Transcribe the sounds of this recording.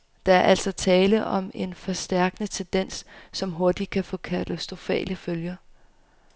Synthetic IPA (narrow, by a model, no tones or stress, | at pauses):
d̥ɑ̈æɐʔæl̰sɒ̽t͡sʰɛːləʔɒ̽me̝nfɒ̽sd̥æɐɡ̥ənət͡sʰend̥en̰sːɒ̽mɦo̝ɐd̥id̥̚kʰæfɔ̰̽ːkʰæt͡sʰæsd̥ʁo̝fɛ̰ːləføljɐ